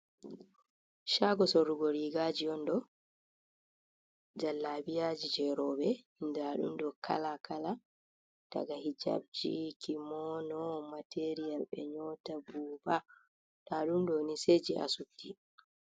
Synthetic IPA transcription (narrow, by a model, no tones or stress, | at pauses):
ʃaɡɔsɔɾuɡɔɾiɡad͡ʒiɔndɔ | d͡ʒalːabijad͡ʒid͡ʒɛɾɔːbɛindaɗṵmdɔkʰa̰lakʰala | d̥a̰ɡahid͡ʒa̰b̚d͡ʒḭkimɔnɔmatʰeɾijalɓɛ̰ɲɔːtabuːba | daɗumdɔnised͡ʒiʔa̰sutːi